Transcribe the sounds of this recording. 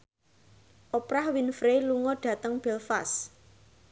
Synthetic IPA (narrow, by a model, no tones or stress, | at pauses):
ʔopɾahwinfɾeluŋɔɖ̥ä̤t̪əŋb̥ɛlfas